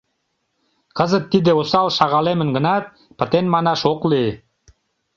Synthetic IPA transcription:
kəzət̪ːid̪eosɑlʃɑʁɑlemə̆nɡə̆nɑt̪̚ | pə̆t̪enmɑnɑʃoklie

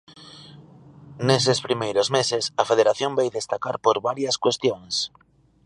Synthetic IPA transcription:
nesespɾimejɾozmesɪsɐfeðeɾaθjõmbejðest̪akaɾpoɾβaɾjɐskwest̪joŋs

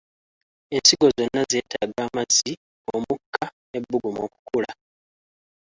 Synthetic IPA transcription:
ensiɡo̞zo̞nːaze̞ːtʰaɡaːmazi | o̞mukʰːane̞bːuɡumo̞̰ːku̥kula

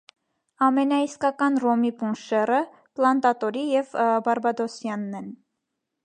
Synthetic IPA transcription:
ɑmɛnɑiskɑkɑnrɔmipunʃɛrə | plɑnt̪ɑt̪ɔɾijɛvbɑɾbɑd̪ɔsjɑnːɛn

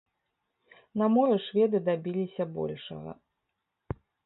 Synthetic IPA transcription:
nɐmɔɾɨʂvʲɛd̪ɨd̪abʲilʲisʲɐbɔ̰lʲʂɐ̰ɣɐ̰

